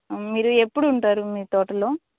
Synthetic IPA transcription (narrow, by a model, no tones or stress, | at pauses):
miːɾue̞pːuɽuːɳʈaːɾumiːt̪ɔːʈɐloː